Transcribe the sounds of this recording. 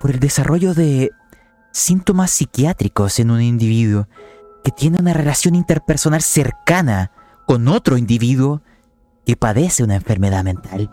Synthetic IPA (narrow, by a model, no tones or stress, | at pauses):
po̞ɾe̞ld̪e̞sarʔo̞ʝo̞ðe̞ | sint̪o̞masːikjat̪ɾiko̞se̞nunind̪iβiðwo | ket̪je̞neunarelasjo̞nint̪e̞ɾpeɾso̞nalse̞ɾkana | ko̞no̞t̪ɾo̞ind̪iβiðwo̞ | kepaðeseunaeɱfe̞ɾmeðamẽ̞nt̪al